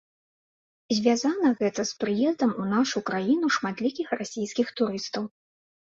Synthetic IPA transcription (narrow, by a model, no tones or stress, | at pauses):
zʲvʲazanɐɣɛt̪ɐspɾɨjɛzd̪ɐmunaʂukɾajin̪uʂmat̪lʲikʲixrasʲijskʲixt̪uɾɨst̪ɐw